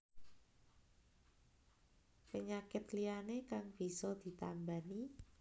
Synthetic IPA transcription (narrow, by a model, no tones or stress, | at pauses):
pəɲakɪt̪lianekaŋb̥i̤sɔd̪̥i̤t̪ambani